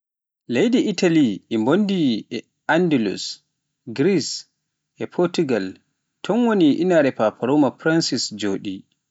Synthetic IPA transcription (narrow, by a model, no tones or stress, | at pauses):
lejdiʔitaliɛmbondiɛ | andɛlṵs | ɡɾis | ʔɛpʰɔɾtuɡal | tʰɔnwoniʔinaɾɛpapʰaɾomapɾansisd͡ʒoːɗi